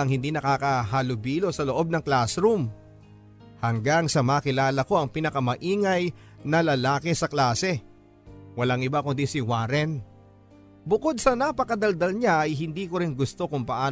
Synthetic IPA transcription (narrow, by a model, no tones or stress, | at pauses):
ɐŋhɪnd̪inɐkaːkɐɦalʊbiːlo̞sɐloʔo̞b̚nɐŋklasɾum | hɐŋɡaŋsɐmaːkɪlaːlɐko̞ʔɐŋpɪnɐkɐmɐʔiːŋɐj | nɐlɐlaːkɪsɐklaːsɛ | wɐlaŋʔɪbakʊnd̪isɪwaɾɛn | bʊko̞d̪̚sɐnapɐkɐd̪ɐld̪ɐlɲaʔɐjɦɪnd̪iːkoɾɪnɡʊst̪o̞kʊŋpɐʔaː